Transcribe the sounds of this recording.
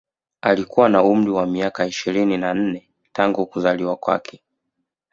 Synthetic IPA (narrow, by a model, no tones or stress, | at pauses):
alikuwanaum̩ɾiwamiakaiʃiɾininan̩nɛ | taŋɡukuzaliwakwa̰kʰɛ